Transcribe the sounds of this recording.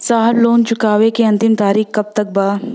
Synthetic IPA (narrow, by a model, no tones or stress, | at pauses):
saːɦɾloːnt͡ʃʰʊkaːʋekeɐ̃nt̪ɪmt̪aːɾiːxkɐb̚t̪ɐk̚baː